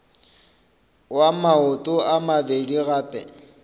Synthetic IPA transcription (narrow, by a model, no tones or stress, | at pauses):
wamaʊtʼʊamabediɣaːpʼɛ